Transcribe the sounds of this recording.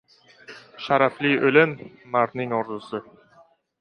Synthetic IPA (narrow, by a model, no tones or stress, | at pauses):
ʃaɾafliʔɵlɪmː | aɾnɪŋɒɾd̪ʊsɪ